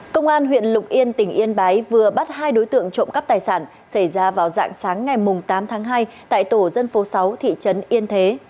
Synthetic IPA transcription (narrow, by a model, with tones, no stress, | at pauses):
kə˧wŋ͡mʔaː˧nɦwḭ˧˨ənlʊ˨˩k͡p̚ʔi˧ənt̪ï˧˩ŋ̟ʔi˧ənɓaː˨˦jvɨ˨˩əɓa˦˥t̚haː˧jɗo˨˦jt̪ɨ̰˧˨əŋt͡ɕo̰˧˨ŋ͡mka˦˥p̚t̪aː˨˩jsaː˧˩n | sa˧˩jzaː˧vaː˨˩wza̰ː˧˨ŋsaː˨˦ŋːa˨˩jmʊ˨˩ŋ͡mt̪aː˨˦mt̪ʰaː˨˦ŋɦaː˧j | t̪a̰ː˧˨jt̪o˧˩zə˧nfo˨˦sa˨˦wt̪ʰḭ˧˨t͡ɕə˨˦nʔi˧ənt̪ʰe˨˦